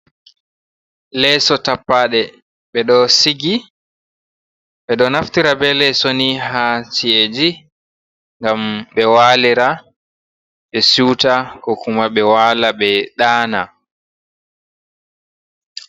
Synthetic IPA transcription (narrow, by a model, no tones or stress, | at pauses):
lɛsɔtapːaːɗɛ | ɓɛɗɔsiɡi | ɓɛɗɔnaftiɾabɛlɛsoniɦasied͡ʒi | ŋɡamɓɛwaːliɾa | ɓɛsuwtakɔkumaɓɛwaːlaɓɛɗaːna